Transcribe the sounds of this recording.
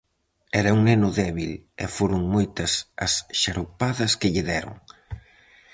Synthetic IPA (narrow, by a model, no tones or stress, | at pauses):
ɛɾɐuŋnenʊðɛβilɛ̰foɾʊŋmojt̪ɐsɐsʃaɾopaðɐskɪʎɪðɛɾʊ̰ŋ